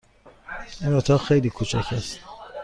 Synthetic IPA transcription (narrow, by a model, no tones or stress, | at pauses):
inot̪ʰɒːxejliːkʰut͡ʃʰæ̰cʰæst̪